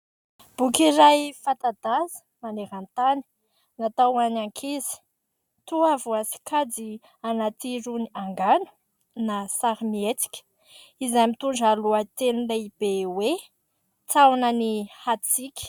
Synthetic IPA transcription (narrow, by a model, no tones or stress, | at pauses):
b̥ukʲiɾajfat̪ad̪azə̥ | maneɾant̪ani̥ | nat̪awanaŋkʰezi̥ | t̪uavuasi̥kʰad͡zi | anat̪iɾuniaŋɡanu̥ | nasaɾimiet͡si̥kʲə̥ | izamit̪uɳɖ͡ʐaluət̪enulaib̥ewe | t͡sawnənihat͡sikʲə̥